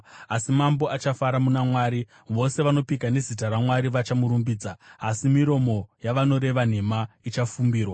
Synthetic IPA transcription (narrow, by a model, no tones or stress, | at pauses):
asimambo̞at͡ʃafaɾamunamwaːɾi | ʋo̞se̞ʋano̞pikane̞zitaɾamwaɾiʋat͡ʃamuɾumbiːd͡zaːsimiɾo̞mo̞jaʋano̞ɾe̞ʋan̤e̞mait͡ʃafumbiːrwa